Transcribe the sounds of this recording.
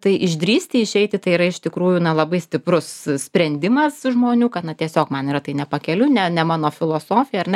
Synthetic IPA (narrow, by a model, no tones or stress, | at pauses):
t̪ɐɪʔɪʒʲd̪ʲɾʲiːsʲt̪ʲɪɪʃʲɛɪt̪ʲɪt̪ɐɪiɾɐɪʃt̪ʲɪkɾuːjunɐlˠɐbɐɪsʲt̪ʲɪpɾʊssʲpʲɾʲɛnʲd̪ʲɪmɐsʒmoːnʲuːkɐt̪nɐt̪ʲiɛsʲoːkmɐniːɾɐt̪ɐɪnʲɛpɐkʲɛlʲʊnʲɛnʲɛmɑːnoːfʲɪlˠoːsoːfʲɪjɛɐɾnʲɛ